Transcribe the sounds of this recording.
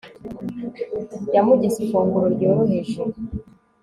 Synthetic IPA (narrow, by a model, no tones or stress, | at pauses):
jamuɟisifuːŋɡuɾoɾɟoːɾoɦeʃo